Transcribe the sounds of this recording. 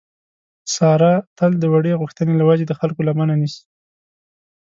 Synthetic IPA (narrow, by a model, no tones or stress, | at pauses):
sɑɾat̪əld̪əwaɽeɣuxt̪ənelawad͡ʒed̪əxalkolamananisi̥